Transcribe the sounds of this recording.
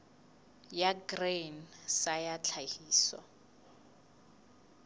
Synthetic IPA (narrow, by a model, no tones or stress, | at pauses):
jaɡrensajat͡ɬʰahiːsɔ̰